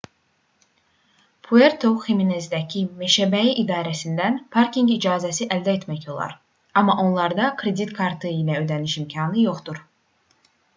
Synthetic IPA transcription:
pʰueɾt̪ʰoxeminezd̪æcʰimeʃæbæiʔid̪ɑːɾæsind̪ænpʰɑɾkiŋɡid͡ʒɑːzæsiʔæld̪æet̪mæço̞lˠɑ̰ɾ | ɑmːɑʔo̞nlˠɑɾd̪ɑkʰɾe̞d̪it̪kʰɑɾt̪ʰɯilæø̞d̪æniʃimcʰɑnɯjo̞χd̪uɾ

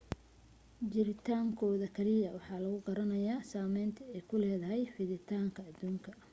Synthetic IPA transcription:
d͡ʒɪɾɪt̪ʰaːŋkʰɔːðɐkʰɐlɪjɐwɑħɑːlɐɣʊqɑɾɐnɐjaːsaːmɛjnt̪ʰɐɛjkʰʊlɛːðɐɦɛjfɪðɪt̪ʰaːŋkʰɐːd̪uːŋkʰɐ

